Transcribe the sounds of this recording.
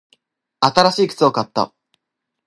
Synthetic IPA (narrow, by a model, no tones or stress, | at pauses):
at̪aɾaɕiːkɯ̥t͡sɨo̞kat̪ːa̰